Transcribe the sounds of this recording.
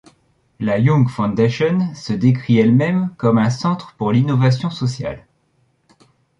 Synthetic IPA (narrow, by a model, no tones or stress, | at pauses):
lajɔ̃ŋɡfɔ̃d̪eʃɔnsəd̪ekχiɛlmɛmkɔmɛ̃sɑ̃t̪χəpuʁlinɔvasjɔ̃sɔsja̰l